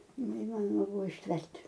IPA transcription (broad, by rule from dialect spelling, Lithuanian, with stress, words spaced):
nʲɛɪˈmɑːnoːmɐ ˈbʊʋoː ɪʃʲˈtʲʋʲɛrʲtʲ